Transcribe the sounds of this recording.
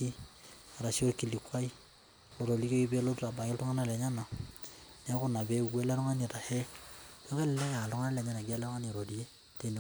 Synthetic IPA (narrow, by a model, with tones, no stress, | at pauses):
i˦a˨ɾa˨ʃi˦o˦ɾki˨li˨kwa˦i˦ | lo˨ɾo˨li˦ko˦ki˦be˦lo˦tɾa˨ba˨ki˦ltu˦ŋa˦na˦˨lɛ˨ɲa˦na˨ | n˦a˦kʊ˦na˨be˦˨ɡwe˦lɛ˦ɾu˦ŋa˦ni˨ta˨hɛ˦jo˦kɛ˦lɛ˨lɛ˦kːlu˦ŋa˦na˦lɛ˨ɲa˦na˨ɡa˦lɛ˦ɾɔ˦ŋa˦ni˨ɾo˨li˨je˦ | te˨n˨